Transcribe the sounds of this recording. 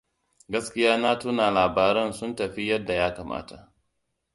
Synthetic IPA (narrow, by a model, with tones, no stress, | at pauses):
ɡɐ˦skʲɪ˦jaː˦naː˦tʊ˦naː˨laː˨baː˨ɾɛ˦nsʊ˦ntɐ˨ɸi˦jɐ˦dːa˨jaː˦kaː˨mʔa̰ː˦ta˨ʔ